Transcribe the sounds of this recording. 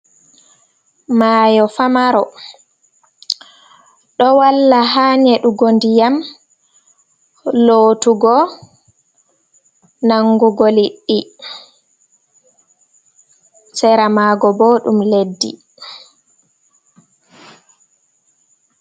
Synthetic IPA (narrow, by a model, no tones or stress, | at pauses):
maːjɔfamaɾɔ | ɗɔwalːaɦaːnɛɗuɡondijam | loːtuɡɔ | naŋɡuɡoliɗːi | sɛɾamaːɡɔboːɗumledːḭ